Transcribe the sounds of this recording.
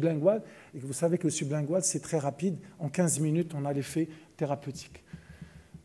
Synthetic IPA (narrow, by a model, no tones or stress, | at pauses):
blɛ̃ɡwad̪ | ekvusavekələsyblɛ̃ɡwad̪sɛt̪χɛʁapid̪ɑ̃kʲɛ̃zminyt̪ɔ̃nalefɛt̪eʁapøt̪ʰi̥k